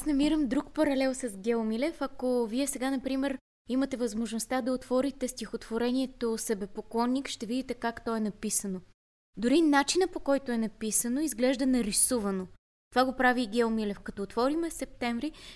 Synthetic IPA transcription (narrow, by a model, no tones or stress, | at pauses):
asnɐmiɾəmd̪ɾukpɐɾɐlɛlˠsɐzɡʲɛomilɛfɐkoviɛsɛɡanɐpɾimɛɾ | imɐt̪ɛvɐzmoʒnost̪ad̪ɐot̪vɔɾit̪ɛst̪ixot̪voɾɛniɛt̪osəbɛpoklˠɔnːikʃt̪ɛvid̪it̪ɛkakt̪ɔɛnɐpisəno | d̪ʊɾinat͡ʃinəpokɔjt̪oɛnɐpisənoizɡlɛʒd̪ɐnɐɾisuvɐno | t̪ovaɡopɾaviɡʲɛomilɛfkɐt̪ɔoːt̪vɔɾimɛsɛp̚t̪ɛɱvɾi